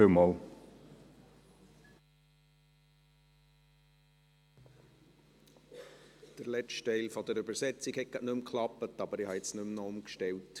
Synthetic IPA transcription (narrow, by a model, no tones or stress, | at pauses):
ømɔl | d̥əɾlɛt͡ʃtteɪlfɔdəɾʏbəɾsɛt͡sikhɛk̚ɡ̥ɑʔnʉmkʰlɑpətɑbəɾihɑɛt͡snʉmnɔʊmkʃtɛlt